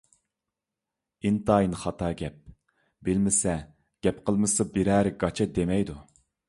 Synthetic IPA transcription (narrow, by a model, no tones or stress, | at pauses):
int̪ɑːjinχɑt̪ʰɑːɡʲɛp̚ | bɪlmɪsɛ | ɡ̥ʲɛpqʰəlˠmɨsɑbiɾæɾɡɑt͡ʃʰɑd̪emɛjd̪u